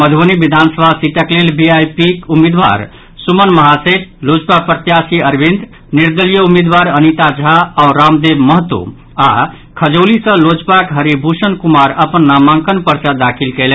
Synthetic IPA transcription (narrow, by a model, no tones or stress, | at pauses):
məd̪ʱənibid̪ʱansəbʱasit̪əklelbiajpikumid̪ʋa̰ɾ | sumənməɦaseʈ̚lod͡ʒpapɾət̪jasiəɾbind̪ | niɾd̪əlijəumed̪ʋaɾənit̪ad͡ʒʱaːʊɾamd̪ebməɦət̪ːo̰ | a | kʰəd͡ʒolisə̃lod͡ʒpakɦəɾibʱusənkumaɾəpənːamãŋkənpəɾt͡ʃad̪akʰilkelɛ